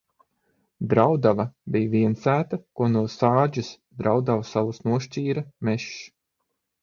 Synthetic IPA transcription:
d̪ɾawd̪avabijviɛnsæːt̪akuɔnuɔsaːd͡ʒus | d̪ɾawd̪avusawusnuɔʃt͡ʃiːɾamɛʃ

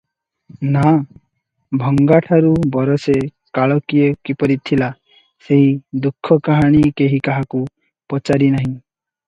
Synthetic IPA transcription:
na | bʱɔŋɡaʈʰaɾubɔɾɔse | kaɭɔkijɔkipɔɾit̪ʰːila | seɦid̪ukʰːɔkaɦaɽ̃ikeɦikaɦaku | pɔt͡ʃaɾinaɦĩ

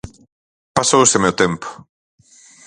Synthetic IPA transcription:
pasowesemewt̪empʊ̥

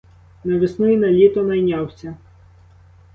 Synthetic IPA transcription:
nɐʋɪsnujinɐlʲit̪ɔnɐjnʲɑwsʲɐ

